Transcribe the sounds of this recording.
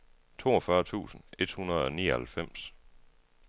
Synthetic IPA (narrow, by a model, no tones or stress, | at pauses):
t͡sʰo̝̰ːɒfɶɐt͡sʰṵːsn̩e̝d̥hunɐð̞̩ˠɒ̽nḭːɐhælfem̰s